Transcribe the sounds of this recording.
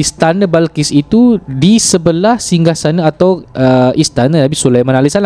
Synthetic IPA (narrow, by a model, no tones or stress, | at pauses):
ist̪anəbalkisit̪udisəbəlahsiŋɡasanəat̪awəʔist̪anənabisulajmãnalisan